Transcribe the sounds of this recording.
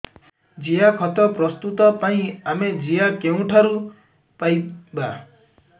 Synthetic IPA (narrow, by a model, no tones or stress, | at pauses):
d͡ʒijakʰɔt̪ɔpɾɔst̪ut̪ɔpaĩamed͡ʒijakeũʈʰaɾu | pajba